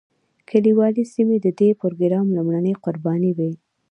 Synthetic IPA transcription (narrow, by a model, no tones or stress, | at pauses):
kʰaliwɑlisimed̪əd̪epʊɾɡɾɑmlumɽanəjqʊɾbɑniwi